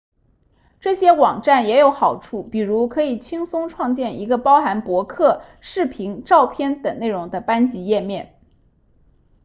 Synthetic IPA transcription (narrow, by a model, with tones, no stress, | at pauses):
ʈ͡ʂɤ˥˩ɕjɛ˥wɑ˨˩ŋʈ͡ʂa˥˩njɛ˧˥jo˧˥ʊxɑ˨˩ʊʈ͡ʂʰu˥˩pi˨˩ɻu˧˥kʰɤ˧˥i˨˩t͡ɕʰi˥ŋsʊ˥ŋʈ͡ʂʰwɑ˥˧ŋt͡ɕjɛ˥˩ni˧˥ɡə˧pɑ˥ʊxa˧˥npwɔ˧˥kʰɤ˥˩ʂɻ̩˥˩pʰi˧˥ŋʈ͡ʂɑ˥˧ʊpʰjɛ˥˩nt̪ɤ˨˩ŋne˥˩ɪɻʊ˧˥ŋd̪ə˧pa˥nt͡ɕi˧˥jɛ˥˧mjɛ˥˩n